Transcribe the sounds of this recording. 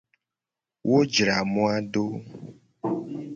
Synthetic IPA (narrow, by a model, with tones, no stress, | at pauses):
wʔo˦d͡ʒɾa˨mɔ̃˦a˦ɖo˦